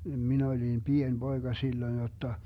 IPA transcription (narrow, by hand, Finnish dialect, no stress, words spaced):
min olim pien b̥oeɡ̊ɑ silːoĭn jotːɑ se olʲ jo niʋ ʋɑnhɑ jotːɑ